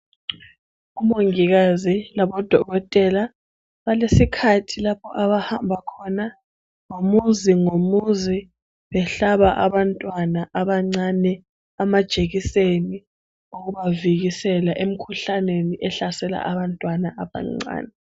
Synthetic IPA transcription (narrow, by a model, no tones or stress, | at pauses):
umoŋiɣazilaβɔd̥ʱɔɣɔtʼɛla | βalesikʰatʰilapʰɔʔaβahambʱakʰɔna | ŋomuziŋomuzi | βɛɬaβaʔaβantʼwanaʔaβaŋ͡ǀanɛ | amad̥ʒ̥ʱeɣiseni | uɣuβaviɣisɛlaʔem̩kʰuɬaneniʔɛɬasɛla̰ʔaβantʼwanaʔaβa̰ŋ͡ǀa̰ːnɛ